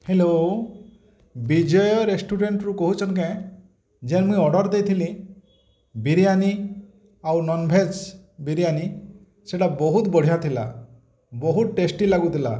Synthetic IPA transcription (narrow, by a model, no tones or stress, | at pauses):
helo | bid͡ʒɔjɔɾesʈuɖeɳʈɾukɔɦut͡ʃʰɔnk̬ã | d͡ʒenmũĩɔɖɔɾd̪ejt̪ʰili | biɾiani | awnɔnbʱed͡ʒbiɾijani | seʈabɔɦut̪bɔɽ̤ijat̪ʰila̰ | bɔɦut̪ʈesʈilaɡut̪ʰila̰